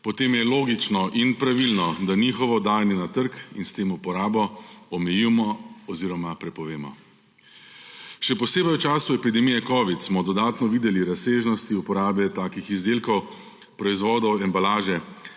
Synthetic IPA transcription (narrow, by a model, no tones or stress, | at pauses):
pɔt̪eːmjɛloːɡit͡ʃnɔʔinpɾaʋilnɔd̪anixɔʋɔd̪aːjnɛnat̪əɾkḭnst̪eːmupɔɾaːbɔɔmɛjimɔɔziːɾɔmapɾɛpɔʋeːmɔ̰ | ʃɛpɔseːbəjwt͡ʃaːsuɛpid̪ɛmijɛkɔːʋit̪smɔd̪ɔd̪aːt̪nɔʋiːd̪ɛliɾaseːʒnɔst̪iupɔɾaːbɛt̪aːkixizd̪eːlkɔw | pɾɔizʋɔːd̪ɔwɛmbalaːʒɛ